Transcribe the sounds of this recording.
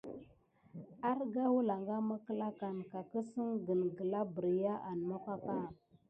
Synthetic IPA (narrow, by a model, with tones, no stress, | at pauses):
a˦ɾɡa˦wu˦la˨ŋɡa˦ma˦kə˦la˦ka˨nka˨kə˦sə˦ŋɡə˨nɡə˨la˦bə˨ɾja˦ʔa˨n˨ma˦pa˦ka˦˨